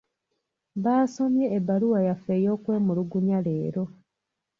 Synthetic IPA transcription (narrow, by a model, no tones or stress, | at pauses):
βaːso̞mjeːbaluwajafeːjo̞ːkwe̞ːmuluɡuɲale̞ːɾo̞